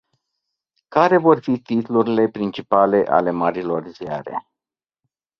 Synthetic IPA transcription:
kaɾe̞vo̞rfit̪it̪luɾile̞pɾint͡ʃipale̞ʔa̰le̞maɾilo̞rzja̰ɾe̞̰

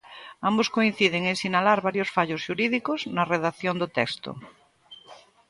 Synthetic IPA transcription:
amboskoin̟θiðeŋesinalaɾβaɾjosfaʎozʃuɾiðikoznɐreðaθjond̪ot̪ɛkst̪o̰

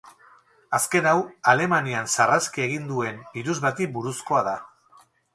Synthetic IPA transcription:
aske̞nawale̞maniansaraskie̞ɣind̪ue̞mbiɾuzβat̪ibuɾusko̞aða

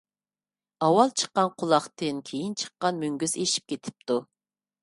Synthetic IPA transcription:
ɑwɑlˠt͡ʃʰə̥qːɑnqʰʊlˠɑχt̪ɨnkʲʰejint͡ʃʰə̥qːɑnmyŋɡʲyzeʃi̥p̚kʲʰet̪ʰɪ̥p̚t̪u

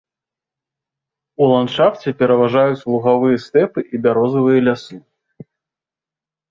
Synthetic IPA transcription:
ulˠant̪ʂaft͡sʲɛpʲɛɾɐvaʐajut͡sʲlˠuɣavɨjɛst̪ɛpɨʔibʲaɾɔzɐvɨjɛlʲasɨ

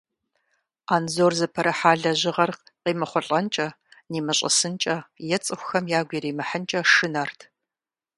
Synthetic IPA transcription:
aːnzoːrzɨpʰɐɾɐħaːɮɐʑɪʁɐrqqiːmɨχʷɔɬʼɐnt͡ʃʼɐ | niːmɨɕʼɐ̰sɨnt͡ʃʼɐjɛt͡sʼɨxʷʊxɐmjaːɡʷiɾiːmɨħənt͡ʃʼɐʂɨnɐrtʰ

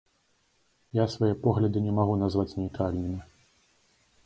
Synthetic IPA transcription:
jasvajɛpɔɣlʲɐd̪ɨnʲɛmaɣunazvat͡sʲnʲijt̪ɾalʲnɨmʲi

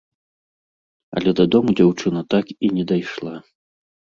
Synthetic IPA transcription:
ɐ̰lʲɛd̪ɐd̪ɔmud͡zʲawt͡ʂɨnɐt̪akinʲɛd̪ajʂlˠa

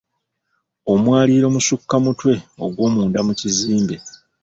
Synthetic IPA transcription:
o̞mwaːliːɾo̞musukːamutwe̞o̞̰ɡwo̞ːmuːndamuciziːmbe̞

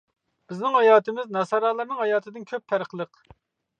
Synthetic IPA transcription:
b̥ɪznɪŋhɑjɑːt̪ɨmɪznɑsɑɾɑːlˠɑɾnɨŋhɑjɑːt̪ʰɨd̪ɨnkʲʰøp̚t̪ʰæɾəqlˠəq

